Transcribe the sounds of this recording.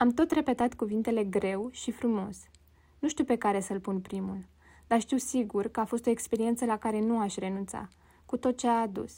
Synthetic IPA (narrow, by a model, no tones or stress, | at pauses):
amt̪o̞t̪re̞pe̞t̪at̪kuvint̪e̞le̞ɡɾe̞wʃifɾumo̞̰s | nuʃt̪iuwpe̞kaɾe̞səlpunpɾimul | d̪aʃt̪iwsiɡurkəafo̞st̪o̞ekspe̞ɾie̞nt̪səlakaɾe̞nuaʃʲre̞nunt̪sa̰ | kut̪o̞t̪̚t͡ʃeaːd̪ṵs